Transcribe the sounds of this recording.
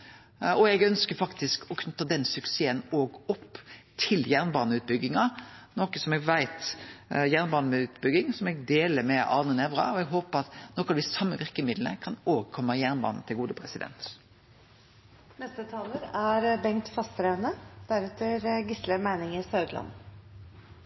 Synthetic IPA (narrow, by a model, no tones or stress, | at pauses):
ɔɛɡœnskəɾfɑkt̪ɪskʰɔkʰnʉt̪ːəd̪ɛnsʉkseːənoːɡɔpːt̪ʰɪljæʁnbɑːnəʉːt̪̚bʏɡːɪŋɑnɔkəsɔmɛɡʋæɪt̪jæʁnbɑːnəʉːt̪bʏɡːɪŋsɔmɛɡd̪eːləɾmɛʔɑ̰ːnənɛʋɾɑ̰ɔɛɡɦoːpəɑt̪nɔkɑd̪ɪsɑmːəʋɪʁkəmɪd̪l̩ə̰kʰɑnoːʋəʁkʰɔmːəjæʁnbɑ̰ːnn̩t̪ʰɪlɡuːd̪əpʰɾɛsɪd̪ɛ̰nt̪ | nɛst̪ət̪ʰɑːləɾæɾbɛŋt̪fɑst̪ɾæʉnəd̪̥æɾɛt̪ʰəɾɡɪsləmæɪnɪŋɪsɑʉd̪lɑ̰n